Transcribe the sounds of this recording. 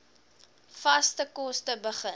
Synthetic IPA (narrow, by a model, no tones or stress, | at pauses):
fɐstəkɔstəbəχə